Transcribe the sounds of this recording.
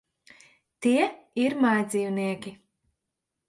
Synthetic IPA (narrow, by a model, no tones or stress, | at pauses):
t̪iɛiɾmajd̪ziːwniɛkʲi